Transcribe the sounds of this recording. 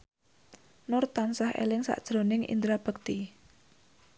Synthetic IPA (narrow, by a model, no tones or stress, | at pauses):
nʊrt̪ansahḛlɪŋsa̰ʔd̥ʒ̥ɾonɪŋʔḭnd̪ɾab̥ək̚t̪i